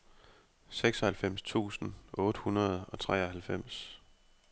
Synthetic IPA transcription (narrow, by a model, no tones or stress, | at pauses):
seɡ̥sɒ̽hælfem̰st͡sʰṵːsn̩ʔɔ̽ːd̥əhunɐð̞̩ˠɒ̽t͡sʰʁɛ̰ːɒɦælfem̰s